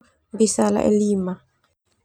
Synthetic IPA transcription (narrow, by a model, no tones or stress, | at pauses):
bisala̰ʔɛ̰lima